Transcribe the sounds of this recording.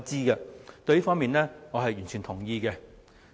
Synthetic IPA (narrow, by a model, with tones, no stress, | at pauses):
t͡siː˥ɡɐ˧t̪ɵ˧ɥjiː˥fɔː˥miː˨nlɛː˥ŋɔː˨˧ɦɐ˨jɥyː˨˩nt͡ʃʰyː˨˩nt̪ʰʊ˨˩ŋjiː˧kɛ˧